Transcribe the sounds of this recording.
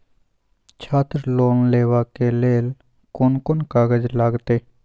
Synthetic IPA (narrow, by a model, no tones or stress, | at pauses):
t͡ʃʰaːt̪ɾloːnleːʋakeleːl | kʊnkʊnkaːɡəd͡ʒlaːɡt̪eː